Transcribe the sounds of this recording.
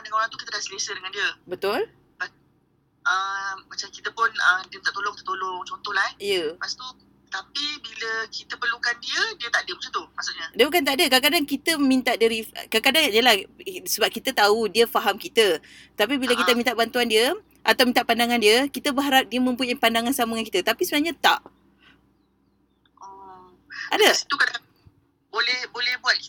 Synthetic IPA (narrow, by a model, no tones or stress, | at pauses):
andəŋanoɾãt̪ukit̪ədaʔsəlesədəŋandiəbət̪ʊl | pas | əmat͡ʃamkit̪əpʊnədiəmit̪aʔt̪oloŋkit̪ə̥t̪oloŋt͡ʃont̪ɔhlaijəpast̪u | t̪apibiləkit̪əpərlukandiədiət̪adəmasat̪umaʔsoɲədiəbukant̪aʔdəkakadaŋkit̪əmint̪aʔdaɾikakadaŋjəlahsəbap̚kit̪ət̪audiəfaɦamkit̪ə | t̪apibiləkit̪əmĩnt̪aʔbant̪uandiə | ʔat̪awmint̪aʔpandaŋandiəkit̪əbəɦaɾap̚diəmə̃mpuɲapandaŋansaməŋankit̪ət̪apisəbənaɦɲat̪aʔ | ɔ | adəsi̥t̪ukad | bolɛhbolɛhbuat̪̚k